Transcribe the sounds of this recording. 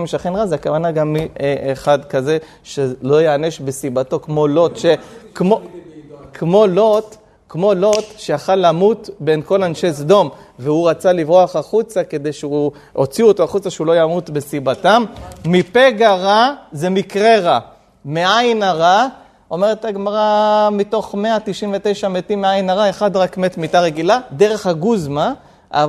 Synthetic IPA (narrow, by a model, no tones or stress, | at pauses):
meʃaχenʁazeakavanaɡamieʔeχad̪kaze̞ | ʃelo̞jeane̞ʃbe̞sibato̞kmo̞lo̞t̪ʃekmo | kmo̞lo̞t | kmo̞lo̞tʃeaχalːamut̪be̞nko̞lanʃe̞sd̪o̞mveuʁat͡salivʁoaχaχut͡sake̞d̪e̞jʃeu | o̰t͡sioto̞aχut͡saʃeulo̞jamut̪be̞sibatamːipeɡaʁazemikʁeʁa | meʔajnaʁa | o̞me̞ʁet̪aɡmaʁamito̞χme̞at̪iʃiɱvete̞jʃametimːeajnaʁaeχadʁakme̞tmitaʁe̞ɡilade̞ʁe̞χhaɡuzma | ʔa̰